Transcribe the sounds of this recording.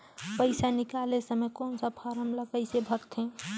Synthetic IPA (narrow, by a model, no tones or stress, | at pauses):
pəɪsanɪkalesəmekɔːnsəpʰaɾəmləɡəɪsebʱəɾt̪ʰɦẽ